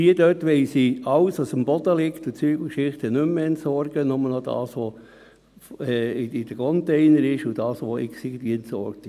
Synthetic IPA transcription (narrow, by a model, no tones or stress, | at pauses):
iədøtʋɛɪsiɑwsʋɑsəmb̥ɔd̪̥əlɪkt̪ʊt͡syːɡ̥əlkʃɪχt̪ənʏmːəɛntsɔɾɡ̥ənʊmːənɔd̪ɑ̰ːsʋɔ | ɛɪd̥əkʰɔnt̪eɪnəɾɪʃʊd̥ɑːsʋɔɪ̰ksiɡt̪iɛntsɔ̰ɾk̚t̪